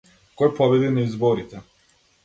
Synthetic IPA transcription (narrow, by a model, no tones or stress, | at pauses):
kɔjpɔbɛd̪inaizbɔɾit̪ɛ